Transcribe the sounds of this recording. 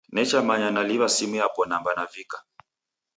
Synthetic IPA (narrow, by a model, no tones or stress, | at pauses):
nɛt͡ʃamaɲanaliβasimuapɔnambanavikḁ